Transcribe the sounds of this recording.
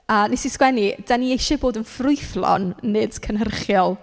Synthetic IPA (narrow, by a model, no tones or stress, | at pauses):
əːnisiskwɛnid̥aniejʃɔboːdənfrʊɨθlˠɔ̰nːɨd̥kʰənərχjɔlˠ